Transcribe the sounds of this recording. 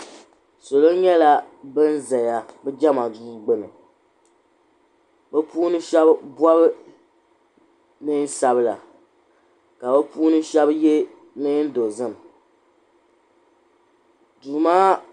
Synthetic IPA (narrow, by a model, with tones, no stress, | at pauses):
so˨lo˦ɲɛ˦la˨ | bɨ˦n̩˦zɛ˨ja˨bɨ˦d͡ʒɛ˦ma˨duː˦ɡ͡bɨ˦nɨ̰˨ | bɨ˦puː˦nɨ˦ʃɛ˦bbwɔ˦bɨ˦ | nɨ˦n˦sa˨βɨ˦˨la˨ | ka˨bɛ˦puː˦nɨ˦ʃɛ˦bje˦ | nɨ˦n̩˦do˨zɨ˦˨m | duː˨maː˦